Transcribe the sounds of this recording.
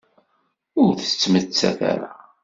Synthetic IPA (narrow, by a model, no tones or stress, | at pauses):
ʊɾθə̥t͡sːmət͡sːæ̰θa̰ɾa